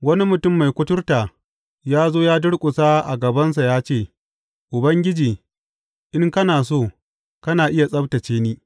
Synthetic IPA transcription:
wɐ˦ni˦mʊ˨tʊ˦˨mːa˨jkʷʊ˦tʊ˦rtaː˨ | jaː˦zoː˦jaː˦dʊ˦ɽkʷʼʊ˨sa˦ʔa̰˨ɡɐ˨bɐ˦ns̬a˨jaː˦t͡ʃeː˦˨ | ʔʊ˨bɐ˦ŋɡʲɪ˦d͡ʒiː˨ | ʔɪ˦ŋkɐ˦naː˨s̬oː˦˨ | kɐ˦naː˨ʔɪ˦ja˨sʼɐ˦btɐ˨t͡ʃeː˦niː˦

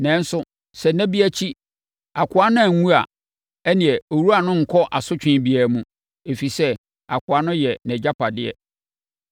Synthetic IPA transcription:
nɛ̃˦n̩˦sʊ˦ | sɛ˨næ̃˦bi˦æ˦t͡ɕʰi˦ | a˨kʷʰʊ˨˦a˦nʊ̃˦æ˨ŋũ˦a̰˨ | ɛ˦nɪ̃˨ɛ˨o˨ɾu˦a˨nʊ̃˦ŋ̩˨kʰɔ˦ʔa˨sʊ˦t͡ɕᶣɪ̃˨˦bi˨æ˨mũ˨ | e˨fi˨sɛ˦ | a˨kʰʊ˨a˦nʊ̃˦jɛ˨nɛ̃˨d͡ʑa˦pʰa˨dɪ˦ɛ̰˨

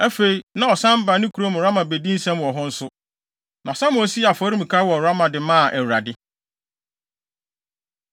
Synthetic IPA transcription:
æ˦fe˨i˨nã˨ɔ˨sã˦m˦ba˨nɪ̃˦kʰu˨ɾo˦m˨ɾa˦mã˨be˨dĩ˦n̩˦sã˦m˨ɔ˨ɦʊ̃˦n̩˦sʊ˦ | nã˨sã˦m˦ɔ˦si˦a˨fɔ˨˦ɾi˦mũ˨kʰaː˦wɔ˨ɾa˦mã˨dɪ˨mãː˦˨ʔɛ˨a˨dɪ˦

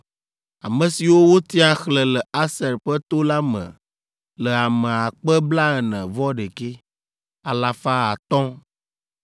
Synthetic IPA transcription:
a̰˨mə̃˨si˨wo˦wo˦t̪i˦a˨xlə˨lə˨a˦sɛ˨ɾɸɛ˦t̪o˦la˦mə̰̃˨ | lə˨a˨mɛ̃˨a˨k͡pə˦bla˦ɛ˨nɛ̃˨vɔ˦ɖe˨ke˦ | a˨la˨fa˦a˨t̪ɔ̃˦

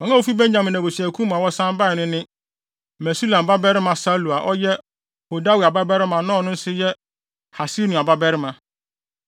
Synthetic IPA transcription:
wɔ˨˦a˦wo˦fi˦bɛ˦ɲ˦ɲã˨mɪ̃˨nã˨bo˨si˨æ˨kʰũ˦mã˨wɔ˦sã˦m˦ba˦˨nʊ̃˦nɪ̃˦ | mɛ̃˨su˦lã˨m˨ba˦bɛ˦ɾɪ˦mã˨sa˦lu˨a˨ʔɔ˦jɛ˦ | ho˨da˦wi˨a˨ba˦bɛ˦ɾɪ˦mã˨nã˦˨nʊ̃˦n̩˦sɪ˦jɛ˦ | ha˨si˦nʊ̃˨a˨ba˦bɛ˦ɾɪ˦mã˨

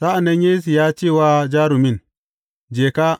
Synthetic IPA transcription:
sa˦ʔa˨na˦nje˦s̬i˨ja˦t͡ʃeː˦˨waː˦d͡ʒaː˦ɾu˨mi˦n | d͡ʒeː˨ka˦

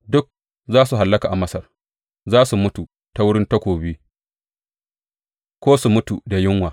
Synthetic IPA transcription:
dʊ˦k̚ | zaː˦su˨ɦa˨lːɐ˦kaː˨ʔa˨mɐ˦sɐ˨r | zaː˦su˨mʊ˦tu˨ | ta˦wʊ˦ɽɪ˦ntɐ˦kʷoː˨biː˦ | kʷoː˦su˨mʊ˦tu˨da˨jɪ˦ŋwaː˨

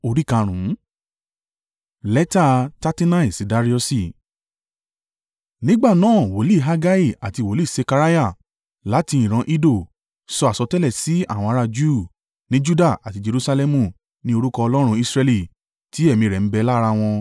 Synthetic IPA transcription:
o˧ɾi˦kã˧ɾ̃ũ˨˦ | lɛ˦ta˦ta˦ti˦nã˦i˨si˨da˧˦ɾi˦ɔ˧si˦˧˨ | nĩ˦ɡ͡ba˦˨nãː˦˨wo˨˦li˦˨ɦa˧ɡa˦i˦˨a̰˨ti˧wo˨˦li˦˨se˧ka˧ɾa˦ja˦˨ | la˨˦ti˧ĩ˨ɾ̃ã˧˦ʔi˦do˦˨ | sɔ˧a˨sɔ˧tɛ˦lɛ˦˨si˨˦a̰˦˨w̃ɔ̃˧a˧ɾa˧d͡ʒu˦˨ | nĩ˦d͡ʒu˦da˦˨a˨ti˧d͡ʒe˧ɾu˧sa˧lɛ˧mũ˧˨ | nĩ˦o˧ɾu˦kɔ˧ɔ˧lɔ˦ɾ̃ũ˧i˧sɾɛ˧li˦˨ | ti˨˦ɛ˦˨mĩ˧˨ɾɛ˨n̩˦bɛ˧la˦˧ɾa˧w̃ɔ̃˧

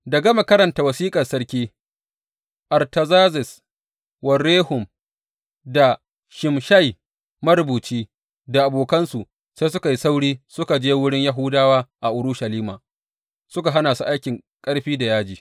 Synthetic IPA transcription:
dɐ˨ɡa˦ma˨kɐ˦ɾɐ˨nta˨wɐ˨siː˦kʼɐ˨rsɐ˦ɽkʲiː˦ | ʔɐ˨rtɐ˨zaː˦zɪ˨s | wɐ˨rːeː˦hʊ˨m | da˨ | ʃɪ˨mʃa˦j | mɐ˦ɾbuː˨t͡ʃiː˦ | da˨ʔa˨boː˨kɐ˦nsu˨ʔ | se˦sʊ˦ka˨ji˦sa˦wɽiː˦sʊ˦ka˨d͡ʒeː˦wʊ˦ɽɪ˦ɲja˦ɦʊ˦daː˦waː˦ʔa˨ʔʊ˨ɾʊ˦ʃɐ˨liː˦maː˨ | sʊ˦ka˨ɦa˦naː˨su˦ʔa˦jkʲɪ˨ŋ | kʼɐ˦ɽɸiː˦da˨jaː˦d͡ʒiː˨

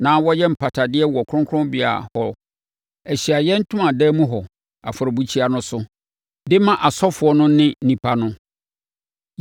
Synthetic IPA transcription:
nãː˨˦wɔ˦jɛ˦m̩˨pʰa˨tʰa˨dɪ˦ɛ˦wɔ˨kʰʊ̃˦ŋkʰʊ˦ʊ̃˦mbɪ˨a̰˨hɔ˦ | ɛ˨ɕi˨a˨jɛ̃˦n̩˦tʰʊ̃˦ã˨dɛː˦mũ˦ɦɔ˨ | a̰˨fʊ˨ɾɔ˨bu˦t͡ɕʰi˦a˨nʊ̃˦sʊ˦ | dɪ˦mã˦ʔa˨sɔ˦fʊ˨ɔ˦nʊ̃˦nɪ̃˦n̩˦nĩ˨pʰa˨nʊ̃˦

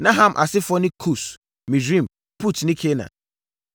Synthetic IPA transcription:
nã˦ɦã˨mʔa̰˨sɪ˦fɔ˦nɪ̃˦kʰu˦˨s | mĩ˨d͡ʒĩ˦˨m | pʰu˦tnɪ̃˦kʰe˦nã̰˨

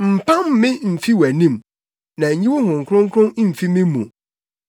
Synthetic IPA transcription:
m̩˨pʰã˦mːɪ̃˦m̩˨fi˦wæ˨nĩ˦m | nã˨ɲĩ˦wʊ˦hʊ̃˨ŋ̩˨kʰʊ˦ɾʊ̃˦ŋ̩kʰɾʊ̃˦n˦m̩˨fi˦mɪ̃˦mṵ̃˨

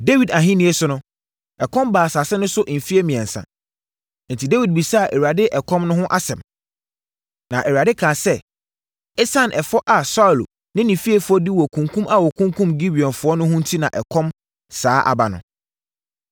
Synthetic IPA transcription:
de˦wi˨da˨ɦĩ˦nĩ˦ɛ˦sʊ˦nʊ̃˦ | ɛ˨kʰɔ̃˦mbaː˨saː˨sɛ˦nʊ̃˦sʊ˦ʔm̩˨fi˦e˦mĩ˨ɛ̃˨n˨sa̰˨ | n̩˨tʰi˨de˦wi˨d̚bi˨sa˦˨ʔe˨wɥa˨dɪ˦ʔɛ˨kʰɔ̃˦mnʊ̃˦ɦʊ̃˦ʔa˦sɛ̃˨m | nã˨ʔɛ˨wa˨dɪ˦kʰãː˨sɛ˦ | ɛ˦sã˦˨nʔɛ˨fɔ˦ʔa˨sa˦u˨l | nɪ̃˦nĩ˨fi˦e˦fʊ˨ɔ˦di˦wɔ˨kʰũ˨ŋkʰũ˦ma˨wɔ˨kʰũ˦ŋkʰũ˦mɡi˦bi˨ɔ̃˨nfʊ˨˦ɔ˦nʊ̃˦ɦʊ̃˦n̩˦tʰi˦nã˨ʔɛ˨kʰɔ̃˦m | saː˨˦ʔa̰˨ba˨nʊ̰̃˨

